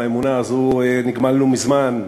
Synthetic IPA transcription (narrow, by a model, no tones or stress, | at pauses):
emunaːzueniɡmalnumizman